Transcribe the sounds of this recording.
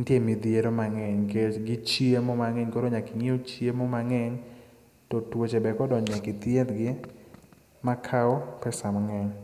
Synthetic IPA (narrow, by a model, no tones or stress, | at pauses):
ntjemid̪jeɾomaŋɛɲkeɡɪt͡ʃiemomaŋɛɲkoɾoɲakɪŋiot͡ʃiemomaŋɛɲ | totwot͡ʃɛbɛkɔdɔɲɛkɪt̪ɪed̪ɡɪ | makʰaɔpɛsamaŋɛɲ